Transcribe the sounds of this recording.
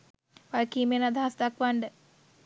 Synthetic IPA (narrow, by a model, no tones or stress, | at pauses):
ʋalkiːmenad̪ʱaɦasd̪akʋaɳɖə